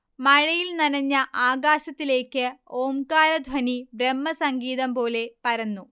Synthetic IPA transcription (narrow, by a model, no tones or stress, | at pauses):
mɐɻɐjilnɐnɐɲːɐʔaːɣaːɕɐt̪ːile̞ːkːɨoːmkaːɾɐd̪ʱwɐnibremːɐsɐŋɡiːðɐmpo̞ːle̞pɐɾɐnːu